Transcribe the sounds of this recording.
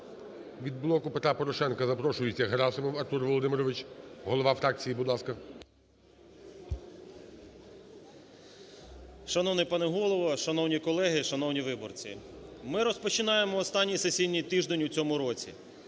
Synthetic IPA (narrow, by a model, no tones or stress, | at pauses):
ʋʲid̪̚blˠɔkʊpet̪ɾapɔɾɔʃɛnkɐzɐpɾɔʃʊjɪt͡sʲːɐɦɾɑsɔmɪwɐrt̪urʋɔlˠɔd̪ɪmɪɾɔʋɪt͡ʃɦɔlˠɔʋɑfɾɑk̚t͡sʲijibʊd̪lˠɑskɐ | ʃɐnɔwnɪjpɑnɛɦɔlˠɔʋɐʃɐnɔwnʲikɔlˠɛɦɪʃɐnɔwnʲiʋɪbɔ̰rt͡sʲḭ | mɪɾɔspɔt͡ʃɪnɑjemɔːst̪ɑnʲːijsesʲijnʲːijt̪ɪʒd̪enʲut͡sʲɔmʊɾɔt͡sʲḭ